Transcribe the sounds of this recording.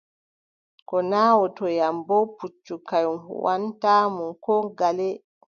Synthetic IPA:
kɔnaːwɔtɔjambɔput͡ʃːukajum̰wantaːmunkɔɡalɛ

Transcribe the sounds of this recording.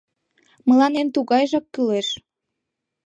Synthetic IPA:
məlɑnent̪uɣɑjʒɑkːyleʃ

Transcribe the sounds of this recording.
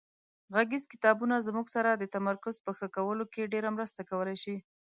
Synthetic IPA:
ɣaɡizkɪ̥t̪ɑbunazmuɡsaɾad̪ət̪amaɾkʊzpəxəkawəlokeɖeɾamɾəst̪akawəlajʃi

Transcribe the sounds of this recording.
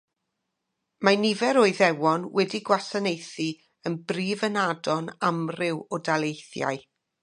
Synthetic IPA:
manivɛɾoːɨðɛwɔnwɛdiɡwasanejθi | ənbriːvənadɔnamrɪwɔdalˠejθja̰ɨ

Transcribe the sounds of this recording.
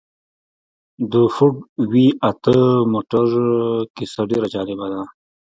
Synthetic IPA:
d̪əfuɖwiat̪əmoʈəɾkɪsaɖeɾad͡ʒɑːlɪbad̪a

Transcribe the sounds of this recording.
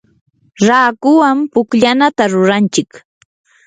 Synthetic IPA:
ɾaːkʊwampʊkʎanat̪aɾʊɾant͡ʃɪk

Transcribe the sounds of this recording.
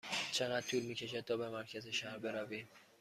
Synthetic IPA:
t͡ʃʰeɣæd̪̚t̪ʰuːlmiːcʰʲe̞ʃ̬æd̪̚ʰɒːbemæɾcʰæzeʃæhɾbe̞ɾævin

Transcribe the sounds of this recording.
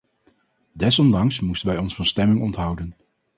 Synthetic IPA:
dɛsɔndɑŋsmustənʋɛjɔnsfɑnstɛmɪŋɔntɦʌwdən

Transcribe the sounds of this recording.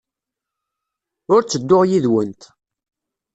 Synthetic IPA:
ʊɾt͡sːəd̪ːʊʁjiðwənt̪

